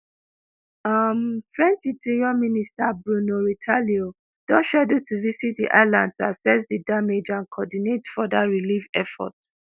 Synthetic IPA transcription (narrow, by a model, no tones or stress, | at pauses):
ʌmfɹɛ̃nt͡ʃditʰiɹɔministabɹunoɹitʰalio | d̥ɔ̃nʃadotʰuvisit̚dḭʔa̰ɪlãndtasɛsdidamed͡ʒãnkʰɔdinetfɔdaɹilivɛfɔ̰t